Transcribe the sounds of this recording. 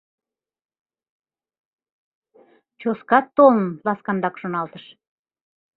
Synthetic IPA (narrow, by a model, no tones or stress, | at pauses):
t͡ɕoskɑt̪ːolənlɑskɑnd̪ɑkʃonɑlt̪əʃ